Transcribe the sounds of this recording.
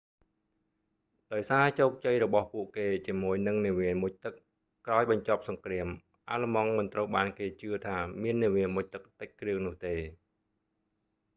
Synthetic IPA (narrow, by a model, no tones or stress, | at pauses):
ɗaɔjsaːt͡ɕoːk̚t͡ɕəjrɔɓɑhpuəʔkeːt͡ɕiəmuəjnɨŋniəʋiəmʊc̚t̪ɨkː | raɔjɓɑɲt͡ɕop̚sɑŋkriəm | ʔaːləmɑŋmɨnt̪rəwɓaːnkeːt͡ɕɨət̪ʰaːmiənːiəʋiəmuc̚t̪ɨk̚t̪ɨc̚krɨəŋnʊ̆əht̪eː